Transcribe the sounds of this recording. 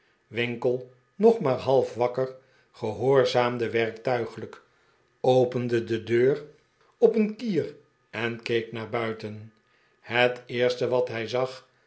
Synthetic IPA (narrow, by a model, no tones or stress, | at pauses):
ʋɪŋkəlˠ | nɔχmaːɹɦɑlˠfʋɑkər | χəɦoːɹzaːmdəʋɛrktœɥχələk | owpəndədədøːr | ɔpənkiːr | ɛnkejknaːɹbœɥtən | hətɪːɹstəʋɑtɦɛjzɑχ